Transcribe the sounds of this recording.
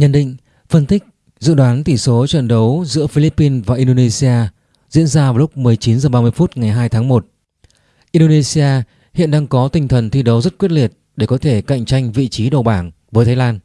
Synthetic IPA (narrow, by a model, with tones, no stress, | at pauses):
ɲə̰˧˨nɗḭ̈˧˨ŋ̟ | fə˧nt̪ï˦˥k̟̚ | zɨ̰˧˨ɗwaː˨˦nt̪i˧˩so˨˦t͡ɕwə̰˧˨nɗə˨˦wzɨ̰˧˥əfi˧li˦˥pːi˧nvaː˨˩ʔi˧nɗo˧ne˧si˧aː˧ | zḭ˧˥ənzaː˧vaː˨˩wlʊ˦˥k͡p̚mɨ˨˩əjt͡ɕi˨˦nzəː˨˩ɓaː˧mɨ˧əjfu˦˥t̚ŋa˨˩jɦaː˧jt̪ʰaː˨˦ŋmo˨˩t̚ | ʔi˧nɗo˧ne˧si˧aː˧ | hḭ˧˨ənɗaː˧ŋkɔ˨˦t̪ï˧ŋt̪ʰə˨˩nt̪ʰi˧ɗə˨˦wzə˦˥t̚kwi˦˥t̚li˨˩ət̚ | ɗe˧˩kɔ˨˦t̪ʰe˧˩ka̰˧˨jŋ̟t͡ɕa˧jŋ̟vḭ˧˨t͡ɕi˨˦ɗo˨˩ɓaː˧˩n | vəː˨˦jt̪ʰaː˨˦laː˧n